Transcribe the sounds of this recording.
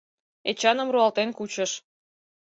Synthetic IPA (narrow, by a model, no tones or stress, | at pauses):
et͡ɕɑnə̆mruɑlt̪enkut͡ɕəʃ